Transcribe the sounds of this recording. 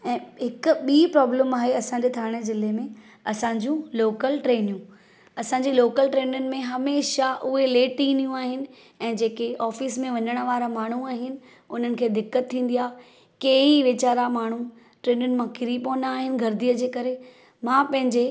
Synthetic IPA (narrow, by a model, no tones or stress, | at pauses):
ɛ̃ːɦɪkʊ̆ɓiːpɾɔːbləmaːɦeɐsãɲ̆d͡ʑeːt̪ʰaːɽ̃ezɪlemẽ | ɐsãːɲd͡ʑũloːkəlʈɾeːnijũ | ɐsãːɲ̆d͡ʑeloːkəlʈɾeːnjənɪ̆mẽɦɐmeːʃaʔʊɦeleːʈiːnijũaːɦɪnɪ̆ | ɛ̃ːd͡ʑeːkeʔɔːfiːsmẽʋɐɲəɽ̃ə̆ʋaːɾamaːɳ̤uaːɦɪnɪ̆ | ʊn̤ənɪ̆kʰeːd̪ɪkːət̪ʰːĩːn̆d̪ijaː | keːiʋɪt͡ɕaːɾamaːɳ̤u | ʈɾeːnjʊnɪ̆mãkɪɾipõːnaːɦɪnɪ̆ɡʱɐɾd̪iəd͡ʑeːkɐɾe | mãːpɐ̃ɦɪ̃ɲd͡ʑe